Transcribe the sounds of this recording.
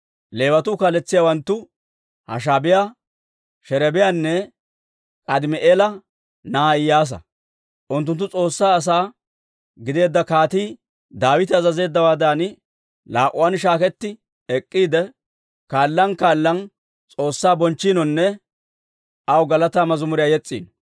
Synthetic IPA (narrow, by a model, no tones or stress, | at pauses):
le̞ːwɐt̪ʊkaːlɛt͡sːɪjawɐnt̪ːʊ | hɐ̰ʃ̬aːbɪjaː | ʃɛɾɛbɪjanːɛ | kʼɐd̪ɪmɛʔeːlɐ | naːɪjaːs̬ɐ̰ | ʔʊnt̪ːʊnt̪ːʊt͡sʼo̞ːsːaːs̬aː | ɡɪd̪e̞ːd̪ːɐkaːt̪iː | d̪aːwɪt̪ɪɐzɐze̞ːd̪ːɐwaːd̪aːn | laːʔʊwanʃ̬aːkɛt̪ːɪ | ɛkʼːiːd̪ɛ | kaːlːɐnkaːlːɐn | t͡sʼo̞ːsːaːbɔnt͡ʃːiːnɔnːɛ | ʔɐwɡɐlɐt̪aːmɐzʊmʊɾɪjaːjɛt͡sʼːḭːnɔ